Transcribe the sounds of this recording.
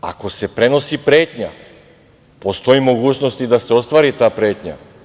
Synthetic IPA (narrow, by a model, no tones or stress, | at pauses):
a̰ko̞sepɾeno̞sipɾeːt̪ɲa | post̪o̞imoɡuːt͡ʃnost̪id̪aseost̪ʋaːɾit̪aːpɾeːt̪ɲa̰